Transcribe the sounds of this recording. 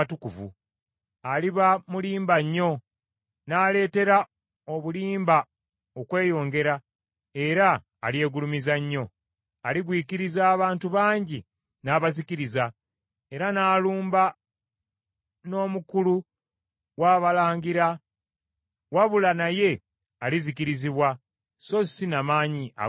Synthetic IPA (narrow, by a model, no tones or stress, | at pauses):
tukuvṵ | aliβamuliːmbaɲːo̞ | naːle̞ːte̞ɾa | oβuliːmba | okwe̞ːjo̞ːŋɡe̞ɾa | e̞ɾa̰ː | lje̞ːɡulumizaɲːo̞ | aliɡwiːciɾizaːβaːntuβaːɲɟi | naːβaziciɾiza | e̞ɾanaːluːmba | no̞ːmukulu | waːβalaːɲɡiɾa | waβulanaje̞ | aliziciɾiziβwa | so̞sinamaːɲiʔa̰